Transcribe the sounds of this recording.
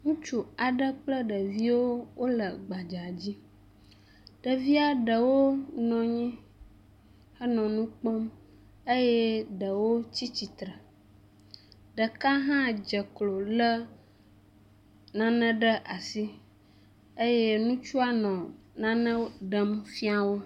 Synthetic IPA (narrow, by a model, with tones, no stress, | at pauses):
ŋũ˦t͡ʃu˦a˨ɖə˦k͡plə˦ɖə˨vi˦wo˦wo˦lə˨ɡ͡ba˨d͡ʒa˨d͡ʑi˦ | ɖ̥ə˨vi˦a˦ɖə˨wo˦nɔ̃˨ɲɛ̃˦ | xə˦nɔ̃˨nũ˦k͡pɔ˦m | e˦jɛ˦ɖə˨wo˦t͡ɕi˦t͡ɕi˨t̪ɾə˨ | ɖə˨ka˦ɦã˦d͡ʒə˨klo˨lə˦ | nã˨nə̃˦ɖə˦ʔa˨si˦ | e˦je˦nũ˦t͡ʃu˦a˦nɔ̃˨ | nã˦nə̃˦ɖə˦mfi˦a˨wo˦